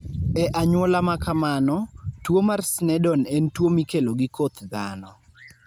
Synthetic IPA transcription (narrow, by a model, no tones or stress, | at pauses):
ɛʔaɲwolamakamanɔtwomarsnɛdɔnɛntwomikeloɡɪkot̪d̪a̰nɔ